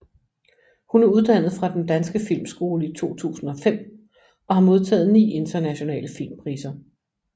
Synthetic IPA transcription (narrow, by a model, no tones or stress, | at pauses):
hunæɐuðˠd̥æn̰ð̩ˠfʁɑ̈d̥end̥ænsɡ̥əfil̰msɡ̥o̝ːləit͡sʰo̝̰ːt͡sʰṵːsn̩ɒ̽fem̰ | ɒ̽hɑ̈mo̝ð̞ˠt͡sʰɛ̰ːð̞̩ˠnḭːe̝nd̥ɐnæɕo̝nɛ̰ːləfilmpʰʁiːsɐ